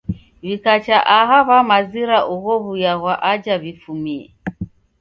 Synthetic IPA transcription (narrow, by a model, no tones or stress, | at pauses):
βikat͡ʃaʔaɦaβamaziɾaʔuɣɔβujaɣwaʔad͡ʒaβifumiɛ̰